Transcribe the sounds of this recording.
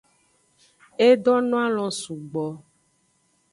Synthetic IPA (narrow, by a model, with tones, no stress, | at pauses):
e˦ɖɔ˦nɔ̃˦a˦l̃ɔ̃˨su˨ɡ͡bɔ˨